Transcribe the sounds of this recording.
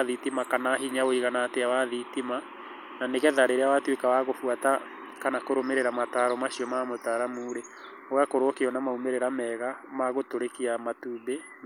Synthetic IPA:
ðitimakanaɦiɲaoiɣanateawaðitima | naneɣɛðaɾeɾeawatwekawaɣofuata | kanakoɾomeɾeɾamataːɾɔmaɕiɔmamotaɾamuːɾe | oakoɾokeɔnamaumeɾeɾamɛɣamaɣotoɾekiamatuːbe

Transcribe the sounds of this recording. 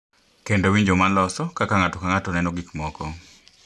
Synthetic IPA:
kendowiɲd͡ʒomanlɔsɔkakaŋatɔkaŋatɔnɛnoɡikmɔkɔ

